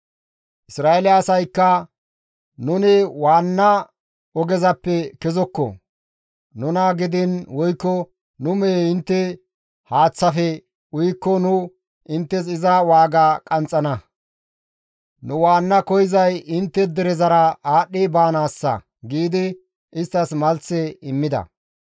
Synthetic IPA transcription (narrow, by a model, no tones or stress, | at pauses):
ʔɪsɾaːelɪɐsɐjkːɐ | nʊnɪwaːnːɐ | ɔɡɛzɐpːɛkɛzɔkːɔ̰ | nʊnɐɡɪd̪ɪnwɔjkːɔ | nʊmeːɪnt̪ːɛ | haːt͡sːɐfɛ | ʊjkːɔnʊ | ɪnt̪ːɛs̬ɪzɐwaːɡaːkʼɐnt͡sʼːɐnɐ | nʊwaːnːɐkɔjɪzɐjɪnt̪ːɛd̪ɛɾɛzɐɾɐaːɗːɪbaːnaːsːɐ̰ | ɡiːd̪ɪ | ɪst̪ːɐsmɐlt͡sːɛɪmːɪd̪ɐ̰